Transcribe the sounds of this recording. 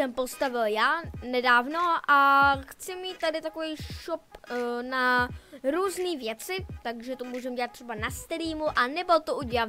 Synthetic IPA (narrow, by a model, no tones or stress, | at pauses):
sɛmpo̞st̪avɪljaːnɛdaːvno̞ʔaxt͡sɪmiːt̪̚t̪adɪt̪ako̞vɛjʃopnaɾuːzniːvjɛt͡sɪt̪aɡʒɛt̪omuːʒɛmɟɛlat̪ːr̥ɛbanast̪ɾiːmuʔanɛbot̪oʔuɟɛla